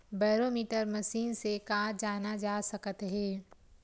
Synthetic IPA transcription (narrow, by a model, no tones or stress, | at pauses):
bɛːɾoːmiːʈəɾmɐʃiːnsekaːd͡ʒaːnad͡ʒaːsɐkət̪ɦɛː